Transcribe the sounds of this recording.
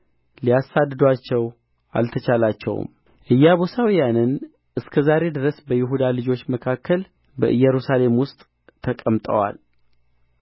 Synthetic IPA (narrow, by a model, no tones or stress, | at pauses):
liasad̪ːɨd̪at͡ʃːɛw | ʔa̰lt̪ʰət͡ʃʰalat͡ʃːɛ̰w̰m | ʔɨjːaβosawijanɨn | ʔɨskʰəzaɾe̞d̪ɨɾəsbəjɪɦud̪alɨd͡ʒo̞t͡ʃːməkʰakʰːəl | bə̰ʔɨjɛɾusale̞mwʊst̪ʼ | t̪ʰːəkʼəmt̪ʼə̰wa̰l